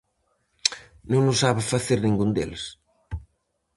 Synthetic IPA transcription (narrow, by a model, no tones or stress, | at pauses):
nõŋnʊsaβɪfaθeɾnĩŋɡund̪ḛls